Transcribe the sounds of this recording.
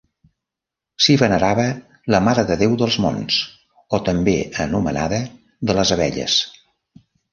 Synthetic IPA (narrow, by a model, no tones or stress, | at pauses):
siβənəɾaβə | ləmaɾəðəðewðəlˠzmo̰ns | ot̪əmbeə̰numə̰na̰ðə | ðələzəβɛ̰ʎə̰s